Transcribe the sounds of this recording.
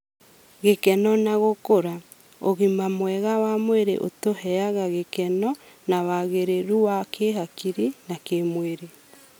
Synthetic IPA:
ɣekɛnɔnaɣokoɾa | oɣimamwɛɣawamweɾḛʔo̰tohɛaɣaɣekɛnɔ | nawaɣeɾeɾuwakʰeɦakiɾinakemweɾe

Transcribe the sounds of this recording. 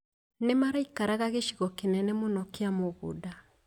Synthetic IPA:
nemaɾaikaɾaɣaɣeʃiɣɔkenɛnemonɔkeamoɣo̰da

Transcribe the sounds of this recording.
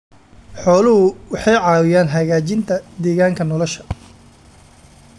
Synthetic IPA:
ħɔːlʊɦʊwɑħɑjʕɑːwɪjaːnɦɐɣaːt͡ʃɪnt̪ʰɐd̪ɛːɣaːŋkʰɐnɔlɔʃɐ̥

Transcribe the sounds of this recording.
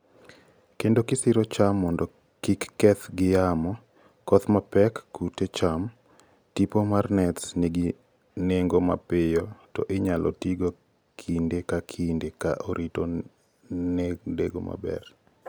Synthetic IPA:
kendokɪsɪɾɔt͡ʃamːɔndɔ | kikːɛt̪ɡɪjamɔ | kɔt̪mapɛkːutet͡ʃam | tipomarnɛtsneɡi | neŋɡoma̰pɪjɔtɔʔɪɲalʔɔ̰tiɡo | kʰindekakʰindeka̰ʔoɾʔito | nedeɡo̰ma̰bɛ̰r

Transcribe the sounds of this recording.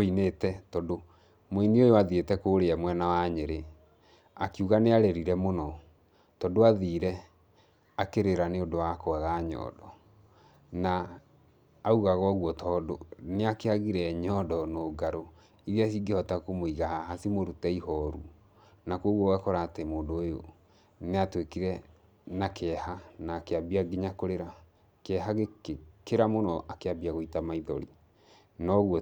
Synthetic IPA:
inetɛtɔdo | moiniojoaðietɛkoːɾeɛmwɛnawaɲeɾe | akiuɣaneaɾeɾiɾɛmonɔ | tɔdoaðiːɾɛ | akeɾeɾaneodowakoaɣaɲɔ̰dɔ | naː | uɣaɣɔɣwɔtʰɔːdoneakeaɣiɾɛɲɔdɔnoːɡaɾo | iðias̬iɡehɔtakomoiɣahaɦasimoɾutɛiɦɔɾu | nakwoɣwɔwɛkɔɾaːtɛmoːndoːjo̰ | neatwekiɾɛ | nakʰɛhanaːkeabiaɡiɲakoɾeɾa | kɛɦaɣekeɾamonɔʔakeabiaɣoitamaiðɔɾi | nɔɣwɔ

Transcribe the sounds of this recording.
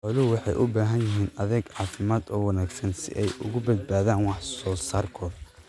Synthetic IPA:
ʕʊlʊwɑħɑjʔʊbaːɦɐnjɪɦiːnɐðɛɡʕɑːfɪmaːd̪ɔːwɑnaːɡsɐnsɪ̰ʔɛjʔʊ̰ɣʊbɐd̪̚baːðaːnwɑħsɔːsaːrkʰɔːðɐ

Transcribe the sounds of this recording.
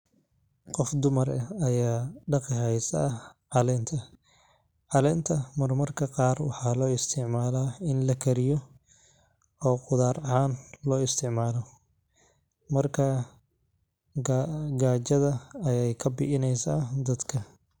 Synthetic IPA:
qɔfd̪ʊmɐrɐɐjaːɖɑqɪɦɛjsɐ̰ːʕɑlɛːnt̪ʰɐ | ʕɑlɛːnt̪ʰɐmɐrmɐrkʰɐqɑːrwɑħɑːlɔːɪst̪ʰɪʕmaːlaːɪnlɐkʰɐɾɪjɔ | ɔːqʊðaːrɐɦaːnlɔːɪst̪ʰɪʕmaːlɔ | mɐrkʰɐ | ɡaːt͡ʃɐðɐɐjɛjkʰɐbɪ̰ʔɪnɛjsaːd̪ɐd̪kʰɐ

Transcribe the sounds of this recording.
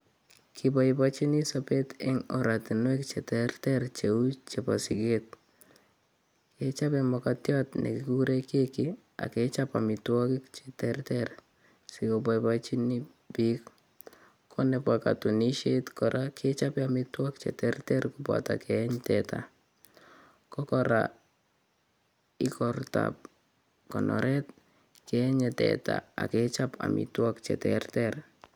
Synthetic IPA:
kʰibaipat͡ʃinisapetɪŋɔɾatinwɛkt͡ʃɛtɛrtɛrt͡ʃeut͡ʃepa̰sɪket̚ | ket͡ʃapɛmɔkatjɔtnḛkikuɾekekɪ | a̰ket͡ʃapa̰mɪtwɔkɪkt͡ʃe̥tɛrtɛr | sikopaipat͡ʃini | bik | kʰɔnɛpaka̰tuniʃetkɔɾʔakʰet͡ʃapiamitwɔkt͡ʃɛ̰tɛrtɛrkupa̰takʰɛɲtɛtʰa̰ | kɔkɔɾa̰ | ikɔrta̰p̚ | kɔnʔɔ̰ɾʔɛt̪̚ | kɛɛɲɛtɛ̰ta̰a̰ket͡ʃapa̰mḭtwɔkt͡ʃɛ̰tɛrtɛr

